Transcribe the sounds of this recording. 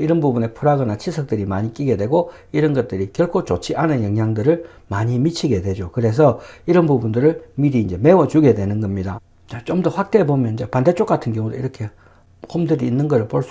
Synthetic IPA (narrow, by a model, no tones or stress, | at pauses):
iɾʌnbubune̞pʰuɾaɡʌnat͡ɕʰisʰʌk̚t͈ɯɾimaɲik͈iɡe̞dwe̞ɡo | iɾʌnɡʌt̚t͈ɯɾikjʌɭkʰot͡ɕot͡ɕʰiʔanɯnjʌŋjaŋdɯɾɯɭ | maɲimit͡ɕʰiɡe̞dwe̞d͡ʑokɯɾe̞s̬ʰʌiɾʌnbubundɯɾɯɭmiɾiːnd͡ʑe̞me̞wʌt͡ɕuɡe̞dwe̞nɯnɡʌmɲida | t͡ɕat͡ɕomdʌɸwak̚t͈e̞bomjʌnd͡ʑapande̞t͡ɕ͈ok͈atʰɯnɡjʌŋudeḭɾʌkʰe̞ | komdɯɾiːnːɯnɡʌɾɯɭpoɭs͈